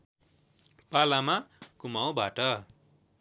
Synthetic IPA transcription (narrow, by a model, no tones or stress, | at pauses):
palamakumaw̃baʈʌ